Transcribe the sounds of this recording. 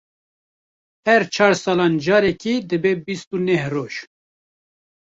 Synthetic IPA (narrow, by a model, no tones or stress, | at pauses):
hɛɾt͡ʃʰɑːɾsɑːlɑːnd͡ʒɑːɾɛkiːd̪ɨbeːbist̪unɛhroːʒ̥